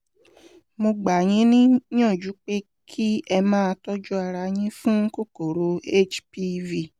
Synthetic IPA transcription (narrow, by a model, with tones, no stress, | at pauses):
mo˧ɡ͡ba˨j̃ĩ˨˦nĩ˦j̃ã˦˨d͡ʒu˨˦k͡pe˦ | kʰi˦ɛ˧mãː˦˧tɔ˦d͡ʒu˦a˧ɾa˧j̃ĩ˦fũ˦ŋ̩˦ko˦˨ko˨ɾo˨˦e˦t͡ʃpi˦˧vi˦˨